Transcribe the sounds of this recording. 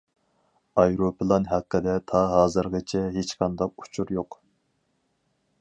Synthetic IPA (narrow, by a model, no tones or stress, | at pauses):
ɑjɾopʰɨlˠɑnɦæqːəd̪ɛt̪ʰɑɦɑːzɨɾʁət͡ʃʰɛɦet͡ʃqʰɑnd̪ɑq̚u̥t͡ʃʰuɾjoq